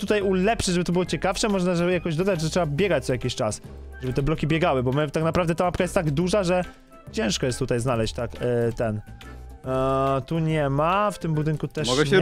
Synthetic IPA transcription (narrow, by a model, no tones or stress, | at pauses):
t̪ut̪ajulɛpʂɘʐɛbɘt̪ɔbɨwɔt͡ɕɛkafʂɛmɔʐnaʐɛjakɔʑd̪ɔd̪ad͡ʑʐɛtʂɛbabʲjɛɡat͡ɕzajakʲiɕt͡ʂas | ʐɛbɘt̪ɛblɔkʲibʲjɛɡawɘbɔmɘt̪aknapɾavd̪ɛt̪amapkajɛst̪aɡd̪uʐaʐɛ | t͡ɕɛ̃w̃ʂkɔjɛst̪ːut̪ajznalɛɕt͡ɕʲt̪akt̪ɛn | t̪uɲɛmaft̪ɘmbud̪ɘŋkut̪ɛʂɔɡɛɛ